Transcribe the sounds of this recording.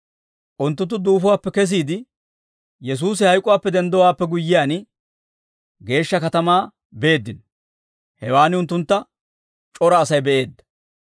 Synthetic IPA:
ʔʊnt̪ːʊt̪ːʊd̪uːfʊwaːpːɛkɛs̬iːd̪ɪ | jɛs̬uːsɪhɐjkʼʊwaːpːɛd̪ɛnd̪ɔwaːpːɛɡʊjːɪjaːn | ɡe̞ːʃːɐkɐt̪ɐmaː | be̞ːd̪ːɪn | hɛwaːnɪʊnt̪ːʊnt̪ːɐ | t͡ʃʼɔɾɐːsɐjbɛʔe̞ːd̪ːɐ̥

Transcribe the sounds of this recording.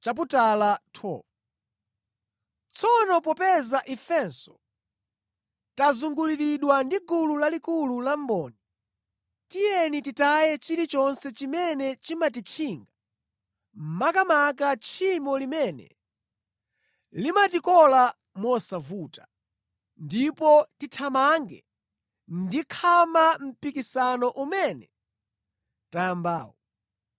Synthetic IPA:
t͡ʃap̬utalatʰɔ̰ːv | t͡sʰɔnɔp̬ɔpɛzaʔifɛnsɔ̥ | tazuŋɡuliɾiɗwandiɡululalikululambɔːnɛ | tijɛnititajɛt͡ʃiɾit͡ʃɔnsɛt͡ʃimɛnɛt͡ʃimat̬it͡ʃʰiːŋɡa | m̩makamak̬at͡ʃʰimɔlimɛnɛ̰ | limatikɔla | mɔsavuːtḁ | ndipɔtitʰamaŋɡɛ̰ | ndikʰamam̩pikisanɔʔumɛnɛ | tajamba̰ːwɔ

